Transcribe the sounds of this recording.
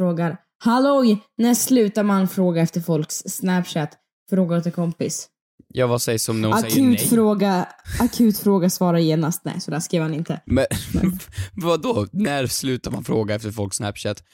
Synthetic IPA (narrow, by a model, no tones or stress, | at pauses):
fɾoːɡaɾ | halɔjnæʂlʉ̟ːt̪aɾmanfɾoːɡaɛft̪əɾfɔlksːnæpɕæt̪ | fɾoːɡaɔt̪əkʰɔmpɪs | jɑːvasɛjsɔmnakʰʉ̟ːt̪fɾoːɡaakʰʉ̟ːt̪fɾoːɡasvɑːɾajeːnast̪nɛ̰jsɔd̪æːʂkɾiːɾhanɪnt̪əɛɛ̰vad̪ɔnæɾslʉ̟ːt̪aɾma̰nfɾoːɡaɛft̪əɾfɔlksnæpʃɛt̪